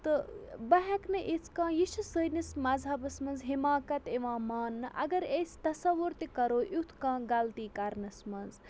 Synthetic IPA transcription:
t̪ɨbɐɦɐknɨʔit͡s̪ʰkãːjiʃisəjnismɐzɦɐbɨsmɐnzɦimaːkɐt̪eʋãːmaːnːɨʔɐ̰ɡɐɾesʲt̪ɐsɐʋuɾt̪ikɐɾoːʔut̪ʰkãːɡɐlt̪iːkɐɾnɨsmɐnz

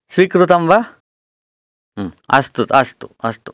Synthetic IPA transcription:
sʋikɾut̪ɐmba | ɐ̰st̪ut̪ɐst̪u̥ɐst̪u̥

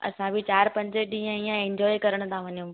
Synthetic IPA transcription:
ɐ̰sãbʱɪt͡ɕaːɾpɐ̃ɲd͡ʑəɗĩːə̃iːə̃ẽɲd͡ʑɔːikɐɾəɽ̃t̪ʰãʋɐɲijũ

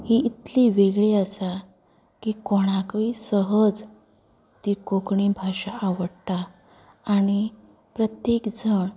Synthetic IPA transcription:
hiʔit̪liʋeɡɭeəsa | kikoɽ̃akisəɦəd͡z | t̪ikokɳiːbʱaɕaʔaʋəɽt̪aː | ɽ̃i | pɾət̪jekd͡zəɳ

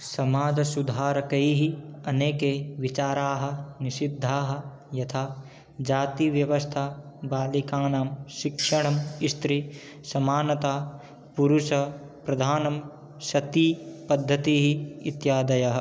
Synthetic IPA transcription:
sɐmaːd̪ʱɐsud̪ʱaːɾɐkɐjɦiɐneːkeːʋit͡ʃaːɾaːɦɐ̆nisid̪ʱːaːɦɐ̆ | jɐt̪ʰaː | d͡ʒaːt̪iʋjɐʋɐst̪ʰabaːlikaːnaːmʃikʂɐɽ̃ɐmist̪ɾi | sɐmaːnɐt̪aː | puɾuʃɐ | pɾɐd̪ʱaːnɐm | ʃɐt̪ipɐd̪ʱːɐt̪iːɦiit̪jaːd̪ɐjɐɦɐ̆

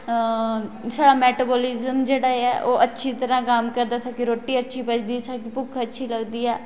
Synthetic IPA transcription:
saːɽaːmɛːʈaːboːlɪzəmd͡ʒeːɽaːɛːʔoːʔətːʃʰiːt̪əɾãːkaːmkəɾd̪aːsakeɾoːʈːiːətːʃʰiːpət͡ʃʰd̪iːsakipʊkʰətːʃʰiːləɡd̪iːɛː

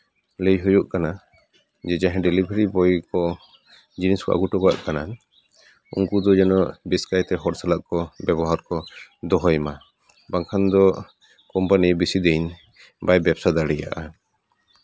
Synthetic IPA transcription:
lejɦujuʔkana | d͡ʒɛd͡ʒaɦɛ̃ɖɛlibʱɾibɔjkɔ | d͡ʒiniskɔ̰ʔa̰ɡuʈɔɡa̰ʔkana | ṵŋkud̪ɔd͡ʒɛnɔʔbiskajt̪ɛɦɔɾsalaʔkɔbɛbɔɦaɾkɔd̪ɔɦɔjma | baŋkʰand̪ɔ | kɔmpanibisid̪ɛjn | bajbɛbsad̪aɽija̰ʔa

